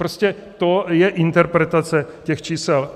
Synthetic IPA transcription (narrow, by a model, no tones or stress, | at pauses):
ɾoscɛ | t̪ojɛʔɪnt̪ɛɾpɾɛt̪at͡sɛcɛxt͡ʃiːsɛl